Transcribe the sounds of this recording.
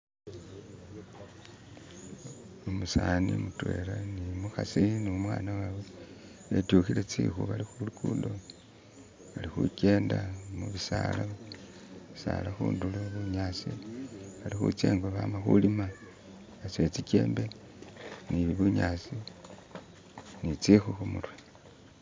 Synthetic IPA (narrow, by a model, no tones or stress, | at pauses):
umusanimutwe̞̰ːlanimuxasiniumwaːnawawe | etuxilet͡sḭːxuβalixulukuːdo̞ | βalixṵke̞ːndamuβisa̰la | isa̰laxṵːnduluβuɲaːt͡siβalixṵt͡sḛːŋɡoβamaxulima | βat͡set͡sice̞̰ːmbe̞ | niβiβuɲat͡si | nit͡sixuxumurwa